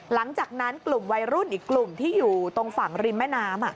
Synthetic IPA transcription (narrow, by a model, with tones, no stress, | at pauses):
la˩˦ŋt͡ɕaː˨˩k̚na˦˥nklu˨˩mwa˧jɾu˥˩nʔiː˨˩kːlu˨˩mt̪ʰiː˥˩juː˨˩t̪o˧ŋfa˩˦ŋɾi˧nmɛː˥˩naː˦˥mʔa˨˩ʔ